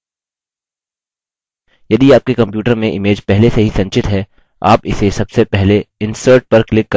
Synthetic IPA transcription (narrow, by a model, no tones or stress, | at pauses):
jɐd̪iaːp̚kekɐ̃mpjuːʈəɾmẽʔɪmeːd͡ʒpɛɦleseɦisɐ̃nt͡ʃɪt̪ɦɛː | a̰ːpɪsesɐbsepɛɦleɪ̃nsəːɾʈ̚pɐɾklɪkːɐ